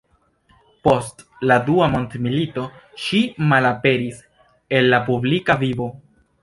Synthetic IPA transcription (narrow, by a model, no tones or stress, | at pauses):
po̞st | laduamo̞ntmilito̞ʃimalape̞ɾis | e̞nlapublikavivo̞